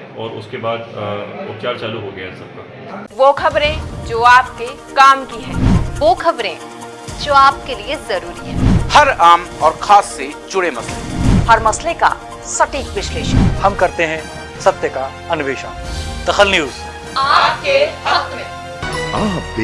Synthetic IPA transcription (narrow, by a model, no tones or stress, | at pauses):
ɔːɾʊ̰skebaːd̪ʊ̰pt͡ʃaːɾt͡ʃaːluɦoːɡɐjasɐb̚kaː | ʋoːkʰɐbɾẽd͡ʒoːaːp̚ke | kaːmkiɦɛ̃ːʋoːkʰɐbɾẽ | d͡ʒoːaːpkeliezɐɾuːɾiɦɛ̰̃ːhɐɾaːmɔːɾxʰaːsːed͡ʒʊɽemɐslḛhɐɾmɐsleka̰ | sɐʈiːkʋɪʃleːʃə̰nhɐmkɐɾt̪eɦɛ̃ | sɐt̪jəka | ɐnʋeːʃənd̪̥ɐxəlnjuːz | aːp̚keɦɐkmẽ | aːp